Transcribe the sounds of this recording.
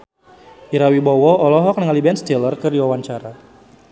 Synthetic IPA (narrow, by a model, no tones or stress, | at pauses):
ʔiɾawibɔwɔɔlɔɦɔk̚nəŋalibɛnst̪ilərkərdiwawaɲt͡ʃaɾa